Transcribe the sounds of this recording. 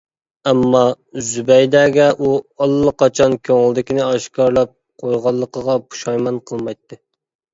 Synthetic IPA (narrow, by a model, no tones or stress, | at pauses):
ɛmːɑ | zybɛjd̪ɛːɡʲɛʔuɑlˠːəqɑt͡ʃʰɑnkʲʰøŋɪld̪ɪkʲinɪɑʃkʰɑɾlˠɑp̚ | qʰojʁɑlˠːəqəʁɑpʰu̥ʃɑjmɑnqʰəlˠmɑjt̪ːɨ